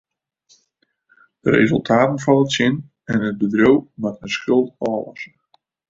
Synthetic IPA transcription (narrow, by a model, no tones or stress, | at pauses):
d̥əɾḛzəlˠtʰaːtən̩fɔləsɪn | ɛnət̚bədrowmatənsxɪlˠtɔːlɔ̰sə